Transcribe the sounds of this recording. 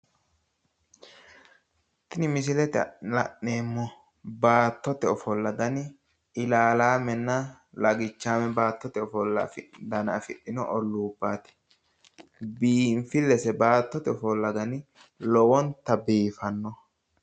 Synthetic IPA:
t̪ɪnɪmɪsɪlɛt̪ɛɐ̰ɐ̰ʔːeːmːɔ | baːt̪ːɔt̪ɛɔfɔlːɐd̪ɐnɪ | ɪlaːlaːmɛnːɐ | lɐɡɪt͡ʃːaːmɛbaːt̪ːɔt̪ɛɔfɔlːɐ̰fɪd̪ɐnɐfɪɗːɪnɔʔɔlːuːbːaːt̪ɛ̥ | biːnfɪlːɛsɛbaːt̪ːɔt̪ɛɔfɔlːɐd̪ɐnɪ | lɔwɔnt̪ɐbiːfɐnːɔ

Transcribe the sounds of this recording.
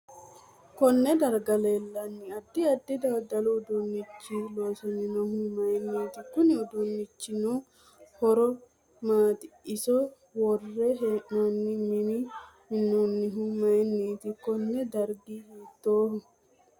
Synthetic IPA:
kɔnːɛd̪ɐɾɡɐleːlːɐnːɪɐd̪ːɪɐd̪ːɪd̪aːd̪ɐlʊːd̪ʊnːɪt͡ʃːilo̞ːsɔnɪnɔhʊmɐjnːiːt̪ɪkʊnɪʊd̪ʊnːɪt͡ʃːɪno | hɔɾɔ | maːt̪ɪɪsɔ | wɔrːɛɦeʔnɐnːɪmɪnɪmɪnːunːɪɦʊmɐjnːeːt̪ɪkɔnːɛd̪ɐɾɡihiːt̪ːoːhʊ

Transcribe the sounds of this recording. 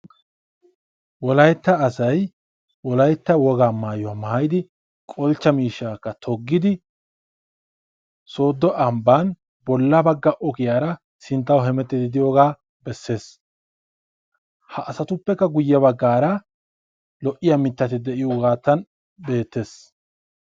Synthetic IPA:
wɔlɐjt̪ːɐːsɐj | wɔlɐjt̪ːɐwɔɡaːmaːjɔwamajɪd̪ɪ | kʼɔlt͡ʃːɐmiːʃːaːkːɐt̪ʰɔɡːɪd̪ɪ | so̞ːd̪ːɔʔɐmban | bɔlːɐbɐɡːɐʔɔkɪjaːɾɐ | sɪnt̪ːɐwɦɛmɛt̪ːɪd̪ɪd̪ɪjoːɡaː | bɛsːe̞ːs | hɐʔːsɐt̪ʊpːɛkːɐɡʊjːɐbɐɡːaːɾɐ | lɔʔɪjɐmɪt̪ːɐt̪ɪd̪ɛʔɪjɔɡaːt̪ːɐn | be̞ːt̪ːe̞ːs

